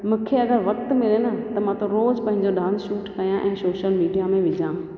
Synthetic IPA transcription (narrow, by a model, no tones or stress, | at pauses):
mʊ̃kʰeɐɡəɾʋɐkt̪mɪlenət̪ɐmãt̪oɾoːzpɐ̃ɦɪ̃ɲd͡ʑoɖãːnsʃuːʈkɐjãʔɛ̃ːsoːʃəlmiːɖijamẽʋɪd͡ʑʱãː